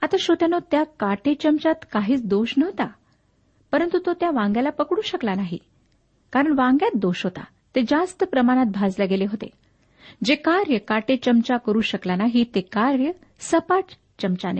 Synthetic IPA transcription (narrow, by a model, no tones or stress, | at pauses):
at̪aɕot̪janot̪jakaʈet͡ɕəmt͡ɕat̪kaɦiːt͡sd̪oɕnəɦt̪a | pəɾənt̪ut̪ot̪jaʋãŋɡjalapəkɽuːɕəklanaɦḭ | kaɾəɳʋãŋɡjat̪̚d̪oɕɦot̪a̰ | t̪ed͡ʑast̪əpɾəmaɽ̃at̪̚bʱad͡zlaɡeleɦot̪ḛ | d͡ʑekaɾjəkaʈet͡ɕəmt͡ɕakəɾuːɕəklanaɦit̪ekaɾjə | səpaʈ | t͡ɕəmt͡ɕanḛ